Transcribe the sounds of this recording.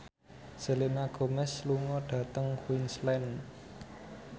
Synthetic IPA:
z̥ə̤lenaɡ̥o̤mɛsluŋɔɖ̥ä̤t̪əŋhwinslɛn

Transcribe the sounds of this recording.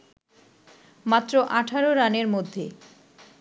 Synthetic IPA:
mat̪ːɾoʔaʈʰaɾoɾaneɾmod̪ʱːe

